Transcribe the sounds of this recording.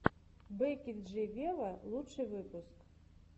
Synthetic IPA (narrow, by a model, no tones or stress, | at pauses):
bɛkʲit̪ʐɨvʲelˠɐlˠutʂɨjvɨpusk